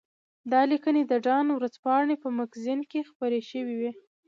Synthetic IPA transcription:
d̪ɑlikəned̪əɖɑnwɾəzpɑɳepəmakzinkexpəɾeʃəwiwi

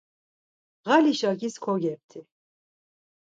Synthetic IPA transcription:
ɣaliʃakiskʰɔɡʲɛp̚t̪ʰi

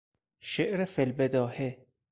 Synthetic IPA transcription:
ʃeʔɾefelbed̪ɒːhe

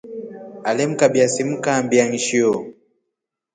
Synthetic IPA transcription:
alɛm̩kabiasim̩kambiaŋiʃio

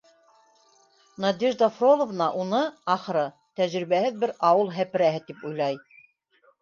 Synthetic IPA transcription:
nɑd̪ʲiʒd̪ɑfrolˠovnɑʔunɤɑχɤ̆ɾɤ | t̪æʒɾiβæhɘðbɘɾɑwɤlˠɦæpɘ̆ɾæɦɘt̪ipujlˠɑj

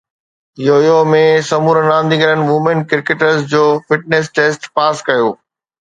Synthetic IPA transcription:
joːjomẽsɐmuːɾənãːnd̪iŋɡɐɾənɪ̆ʋʊmenkɪɾkeʈəɾsd͡ʑoːfɪʈ̚neːsʈeːsʈpaːskɐjoː

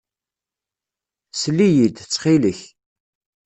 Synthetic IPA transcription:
slːijid̪t͡sːχiləç

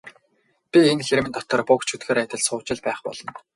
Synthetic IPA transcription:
pʲienxeɾmɘ̆nt̪ɔt̪ə̆rpʊkt͡ɕʰut̪ɡeːɾæːt̪ʲə̆ɮsʊːt͡ɕɪ̆ɮpæːχpɔ̰ɮɞ̆n

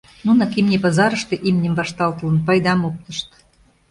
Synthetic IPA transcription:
nunɑkimnʲepɑzɑɾə̆ʃt̪ĕʔimnʲemvɑʃt̪ɑlt̪ə̆lə̆npɑjd̪ɑmop̚t̪ə̆ʃt̪

